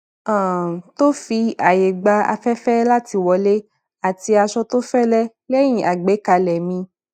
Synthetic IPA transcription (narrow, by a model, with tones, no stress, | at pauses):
ã˦˨to˦fi˧a˨je˨ɡ͡ba˧a̰˧fɛ˦fɛ˦la˦ti˧wɔ˧le˦ | a˨ti˧a˧ʃɔ˧to˦fɛ˦lɛ˦ | lɛ˦j̃ĩ˨ʔa˨ɡ͡be˨˦ka˧lɛ˨mĩ˧